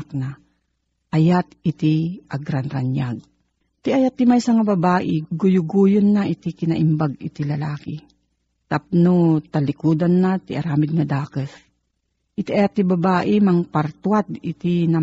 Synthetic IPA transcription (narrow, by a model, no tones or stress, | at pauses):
k̚na | ʔɐjat̪̚ɪt̪ɪʔaɡɾanɾanjaɡ̚ | t̪ɪʔajat̪ːɪmajsaŋabɐbaːʔɪɡʊjʊɡuːjonːaʔɪt̪ɪkɪnaʔɪmbaɡɪ̰t̪ɪlɐlaːkɪ | t̪ap̚not̪alɪkuːd̪anːat̪ɪʔaɾaːmɪd̪̚nad̪aːkəs | ʔɪt̪iʔaat̪ːɪbabaːʔɪmaŋpaɾt̪wat̪ɪt̪ɪna